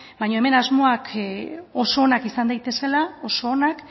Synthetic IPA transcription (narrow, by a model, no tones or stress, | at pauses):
bajɲo̞e̞me̞nazmo̞akʰ | o̞so̞ːnakisand̪ajt̪e̞se̞lao̞so̞ːnak